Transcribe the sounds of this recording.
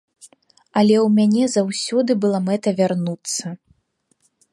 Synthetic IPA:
ɐlʲɛwmʲanʲɛzawsʲɔd̪ɨbɨlˠamɛt̪ɐvʲarnut̪sːɐ

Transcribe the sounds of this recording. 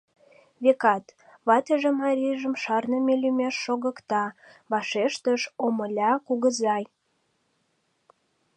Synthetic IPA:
βekɑt̪ | βɑt̪əʒemɑɾʲiʒəmʃɑrnəmelymeʃːoɣəkt̪ɑβɑʃeʃt̪əʃoməlʲɑkuɣəzɑj

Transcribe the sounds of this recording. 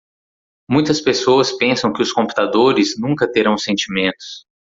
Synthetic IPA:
mũj̃t̪ɐspesoɐspẽsɐ̃w̃kɪʊskõpu̥t̪ad̪oɾɪznũŋkɐt̪eɾɐ̃w̃sẽnt͡ʃimẽnt̪ʊ̥s

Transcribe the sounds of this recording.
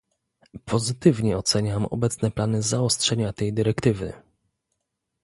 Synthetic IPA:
pʰɔzɘt̪ɘvɲɛɔt̪sɛɲamɔ̰bɛt̪snɛplanɘzaɔstʂɛɲat̪ɛjd̪ɘɾɛkt̪ɘvɘ̰

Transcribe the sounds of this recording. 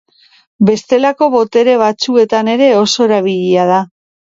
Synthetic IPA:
be̞st̪e̞lako̞βo̞t̪e̞ɾe̞β̞at͡sue̞t̪ane̞ɾe̞o̞so̞e̞ɾaβ̞iʎiað̞a

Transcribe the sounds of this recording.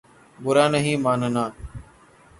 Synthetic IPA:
bʊɾaːnəɦĩːmaːnənãː

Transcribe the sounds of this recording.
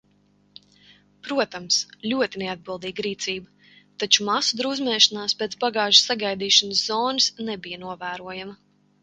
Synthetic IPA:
pɾuɔt̪amslʲuɔt̪inead̪̚bɨlˠd̪iːɡɾiːt̪siːbə | t̪at͡ʃumasud̪ɾuzmɛːʃanaːspʲɛt̪baɡɑːʒsaɡajd̪iːʃanəszɔːnɨsnɛbijɐnuɔvæːɾuɔjamɐ

